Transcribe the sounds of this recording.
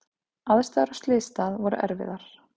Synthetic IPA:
aðɛst̪aːðaɾḁst̪lɪːst̪aðvɔɾʏ̰ʔɛ̰ɾvɪ̰ðaɾ̥

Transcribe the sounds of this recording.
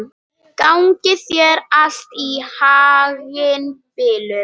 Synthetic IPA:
kawŋcɪθjɛɾal̥t̪ihaːɣɪnpɪːlʏ

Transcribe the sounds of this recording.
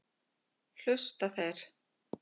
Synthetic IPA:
l̥ʏst̪aθejɾ̥

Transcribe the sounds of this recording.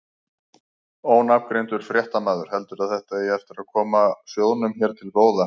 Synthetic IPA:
oːwnap̚kɾejnt̪ʏɾ̥fɾjɛht̪amaːðʏɾ̥ɦɛlt̪ʏɾaðθɛht̪aiɛft̪ɪɾaðkʰɔːmasjoːwnʏmçɛɾ̥t̪ʰɪlpoːwða

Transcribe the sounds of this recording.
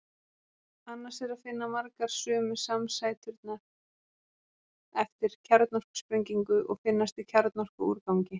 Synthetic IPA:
anːasɛɾaðfɪnːamaɾkaɾ̥sœːmʏsamsaːjt̪ʰʏɾt̪na | ɛft̪ɪɾ̥cʰɛɾt̪nɔr̥kspɾeɲciŋkʏʔɔɣfɪnːast̪icʰɛɾt̪nɔr̥kʏṵːɾkawɲcɪ

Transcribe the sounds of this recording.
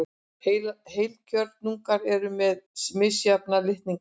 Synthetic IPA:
hejlcœɾt̪nuŋkaɾɛɾʏmɛðsmɪsjapnalɪht̪niŋ

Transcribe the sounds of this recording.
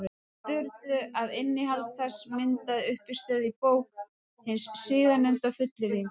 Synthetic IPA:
t̪ʏɾt̪ʏaðɪnːɪɦalt̪θɛsːmɪnt̪aðʏhpɪst̪œːðipoːwk̚ | hɪnsːɪːðanʏnt̪afʏt̪lɪɾi

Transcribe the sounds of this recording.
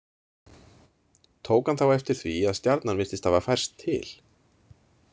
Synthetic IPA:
t̪ʰoːwkanθawɛft̪ɪɾ̥θviaðst̪jaɾt̪nanmɪst̪ɪst̪avafajr̥st̪ʰːɪ̰l̥

